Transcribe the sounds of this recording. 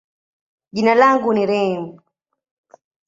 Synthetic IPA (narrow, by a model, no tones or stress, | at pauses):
ʄinalaŋɡuniɾɛm